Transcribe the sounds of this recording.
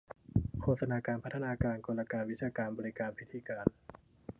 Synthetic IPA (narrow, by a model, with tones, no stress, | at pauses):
kʰoː˧t̪sa˧naː˧kaː˧npʰa˦˥t̪ʰːa˧naː˧kaː˧nkoː˧la˧kaː˧nwi˦˥t͡ɕʰaː˧kaː˧nbɔː˧ɾi˦˥kaː˧npʰi˦˥t̪ʰiː˧kaː˧n